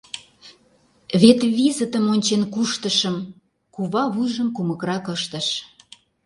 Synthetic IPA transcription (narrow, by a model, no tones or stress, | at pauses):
βet̪βizət̪əmonʲt͡ɕenkuʃt̪əʃəm | kuβɑβujʒəmkumə̆kɾɑkəʃt̪ə̆ʃ